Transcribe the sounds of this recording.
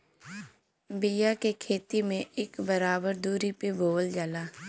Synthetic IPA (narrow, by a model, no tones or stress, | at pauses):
bɪjakekʰeːt̪imẽʔɪkbəɾaːbəɾd̪uːɾipeboːld͡ʒalaː